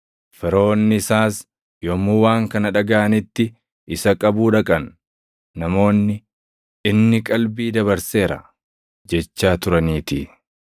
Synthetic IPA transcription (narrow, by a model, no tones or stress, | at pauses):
fɛɾo̞ːnːɪɪsaːs | jomːuwaːŋkɐnɐᶑɐɡaʔɐnɪt̪ːɪ | ɪsɐkʼɐbuːᶑɐkʼɐnː | ɐmo̞ːnːɪ | ʔɪnːɪkʼɐlbiːd̪ɐβɐɾse̞ːɾɐ̰ | d͡ʒɛt͡ʃːaːt̪ʊɾɐniːt̪i